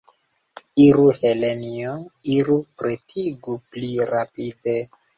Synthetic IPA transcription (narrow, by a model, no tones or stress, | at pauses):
iɾuhelenioiɾupɾetʰiɡupliɾapide